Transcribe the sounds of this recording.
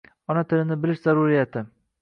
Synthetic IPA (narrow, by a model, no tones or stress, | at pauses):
ɒnat̪ʰɪlɪnɪbɪlɪʃzaɾʊɾijat̪ʰɪ